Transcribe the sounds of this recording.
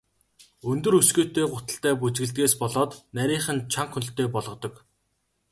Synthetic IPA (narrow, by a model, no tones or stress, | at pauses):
ɵnt̪ɵ̆ɾɵsɡeːt̪eːɢʊt̪ə̆ɬt̪æːp̬ut͡ɕɡɘ̆ɮt̪̚ɡeːspɔɮɔːt̪næɾʲiːχə̆nt͡ɕʰaɴχxɵnt̪eːpɔɮʁɞ̆t̪ɞ̆k